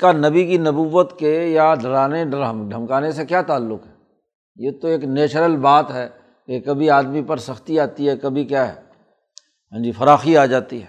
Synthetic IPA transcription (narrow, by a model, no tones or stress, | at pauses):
kanɐbikinɐbuːʋət̪kejaɖɐɾaːneɖmɖʱɐmkaːnesekjaːt̪aːlːʊkɦɛ | jeːt̪oeːkneːt͡ʃɾəlbaːt̪ɦɛː | kekɐbʱiaːd̪mipɐɾsɐxt̪iaːt̪iɦɛkɐbʱikjaːɦɛ̰ː | ɐ̃d͡ʒifɐɾaːxiaːd͡ʒaːt̪iɦɛː